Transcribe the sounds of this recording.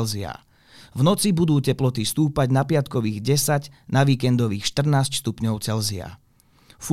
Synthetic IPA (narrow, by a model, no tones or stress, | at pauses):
zia̰ | vnɔt͡sibud̪uːcɛplɔt̪ist̪uːpaɟnapɪat̪kɔʋiːɣɟɛsaɟnaʋiːkɛnd̪ɔʋiːxʃt̪r̩naːscst̪upɲɔʊt͡sɛlzia̰ | f